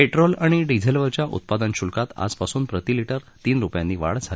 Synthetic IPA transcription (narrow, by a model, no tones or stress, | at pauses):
peʈɾolaɽ̃iɖid͡zʱelʋəɾt͡ɕjaʔṵt̪̚pad̪anɕulkat̪a̰d͡zpasuːnpɾət̪iliʈəɾ | t̪iːnɾupjãnːiːʋa̰ɽd͡zʱal